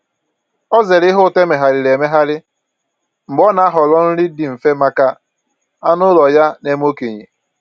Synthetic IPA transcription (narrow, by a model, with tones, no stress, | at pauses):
ɔ˦ze˨ɾɪ˦ɦʊ˦˨te˦me˨ɦa˨ɾɪ˨ɾe˨me˦ɦa˦ɾɪ˦ | m̩˨ɡ͡bɔ˦na˨a˦ɦɔ˨lɔ˦n̩˦ɾɪ˦dɪ˨m̩˨fe˦ma˦ka˦ | a˦nʊ˦lɔ˨ja˦ne˦m˦o˦ke˨ɲḭ˨